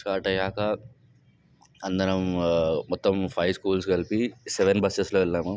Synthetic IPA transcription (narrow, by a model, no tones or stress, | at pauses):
kaːʈɐjaːkɐ | ɐnd̪ɐnɐmmɔt̪ːɐmpʰɐjskuːlskɐlpisɛʋenbɐsesloːʋɛlːaːmu